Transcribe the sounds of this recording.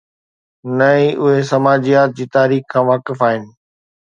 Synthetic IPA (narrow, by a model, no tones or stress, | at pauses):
nɐĩʔʊɦesɐmaːd͡ʑijaːt̪̚d͡ʑiːt̪aːɾiːxkʰãːʋaːkɪfaːɦɪnɪ̆